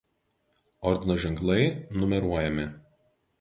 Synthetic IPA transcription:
ɔɾʲd̪ʲɪnoʒʲɛŋklˠɐɪnʊmʲɛɾuɔjɛmʲɪ

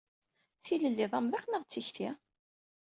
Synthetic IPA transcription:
θiləlːiðˤæmðiqnəʁt͡sːiçθi

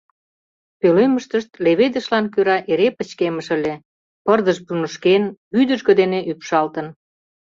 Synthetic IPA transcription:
pøleməʃt̪əʃt̪leβed̪əʃlɑnkyɾɑʔeɾepət͡ɕkeməʃəlʲe | pərd̪əʃpunəʃkenbyd̪əʒɣə̆d̪eneʔypʃɑlt̪ən

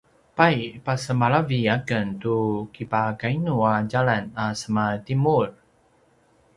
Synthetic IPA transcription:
pajpasəmaɭaviakəntukipakainuaɟaɭanasəmatimur

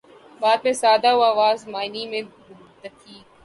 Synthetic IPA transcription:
baːd̪mẽsaːd̪aoaːʋaːzmaːɪnimẽ | t̪əkʰiː

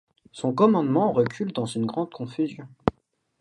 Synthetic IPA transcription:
sɔ̃kɔmɑ̃d̪mɑ̃ʁəkʲʰyld̪ɑ̃zynɡʁɑ̃d̪̚kɔ̃fyzjɔ̃

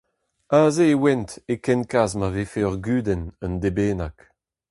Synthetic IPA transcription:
aːzeːwɛntekɛnkazmavefeœʁɡyːdɛnəndebeːnak

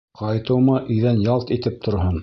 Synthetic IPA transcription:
qɑjt̪ɤ̆wmɑʔʔɵ̆jðænjɑlˠt̪it̪ɘp̚t̪ʰŏɾhon

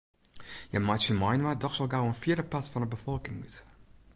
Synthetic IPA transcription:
jəmajtsəmajnʋadɔxsɔlˠɡawənfjiədəpatfɔnəbəfɔlˠkɪŋy̰t

